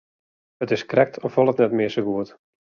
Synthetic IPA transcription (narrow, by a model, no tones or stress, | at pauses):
ətɪskrɛk̚tʰɔfʋɔlˠətnɛtmɪːsəɡuət